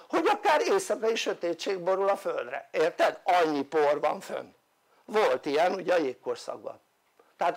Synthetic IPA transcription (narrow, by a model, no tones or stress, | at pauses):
ho̞ɟɒkaːɾeːsɒkɛjiʃø̞t̪eːtt͡ʃeːɡ̚bo̞ɾulɒføld̪rɛ̰eːrt̪ɛd̪ɒɲːiporʋɒ̰ɱfø̰n | vo̞lt̪ijɛnuɟɛɒjeːkkːorsɒ̰ɡ̚bɒ̰n | t̪ɛɦat̪